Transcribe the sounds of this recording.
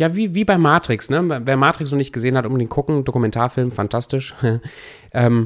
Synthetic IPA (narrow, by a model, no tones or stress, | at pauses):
jaːviːviːbaɪmaːtʁ̥ɪksnəveːɐmaːtʁ̥ɪksnɔχnɪçt̚ɡ̥əzeːənhatʔʊmdeːnkʰʊkŋ̩dokumɛntʰaːɐfɪlmfantʰastɪʃ | ʔɛːm